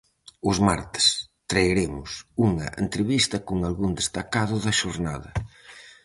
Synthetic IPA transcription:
ʊzmaɾt̪ɪ̥st̪ɾajɾemʊsuŋɐ̰ʔḛnt̪ɾeβist̪ɐkʊŋalɣund̪est̪akaðʊðɐʃoɾna̰ðɐ

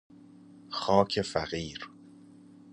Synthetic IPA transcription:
xɒːcʰefæɣiːɾ

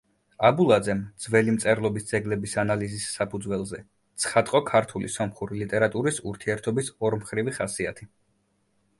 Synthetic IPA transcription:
abulˠad̪zɛmd̪z̥vɛlimt̪sʼɛɾlˠɔbisd̪zɛɡlɛbisanalizisːapʰud̪zwɛlˠzɛ | t̪sʰχat̪ʼqʼɔkʰaɾt̪ʰulḭsɔmχuɾilit̪ʼɛɾat̪ʼuɾisuɾt̪ʰiɛɾt̪ʰɔbisɔɾmχɾiviχasiat̪ʰi

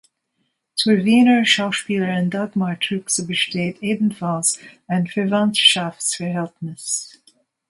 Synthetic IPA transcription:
tʰʊɹviːnə˞ʃaʊʃpiːlˠəɹɪ̃ndaɡmaɹtʰɹʉksəbəʃteːtʰeːdn̩fɔlˠzə̃nfəɹvãntʃafsfəɹɦɛltnəs

